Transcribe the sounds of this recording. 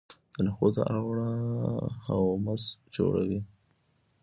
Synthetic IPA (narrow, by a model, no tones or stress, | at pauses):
d̪̥ənaxod̪ə̰ʔaɣɽa | hawmasd͡ʒo̰ɽa̰wi